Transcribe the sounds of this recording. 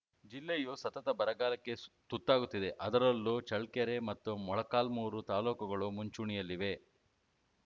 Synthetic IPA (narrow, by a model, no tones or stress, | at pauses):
d͡ʒilːejusɐt̪ɐt̪ɐbɐɾɐɡaːlɐkːe̞t̪ut̪ːaːɡut̪ːid̪e̞ʔɐd̪ɐɾɐlːut͡ʃɐɭkɐɾe̞mɐt̪ːumɔɭɐkaːlmuːɾut̪aːloːkuɡɐɭumuɲt͡ʃuɳijɐlːiʋe̞